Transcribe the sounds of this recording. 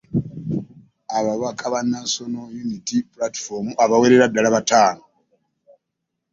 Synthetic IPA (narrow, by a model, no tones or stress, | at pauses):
aβaβakaβanaso̞nojunitipulati̥fomuʔaβaweɾeɾadalaβataːno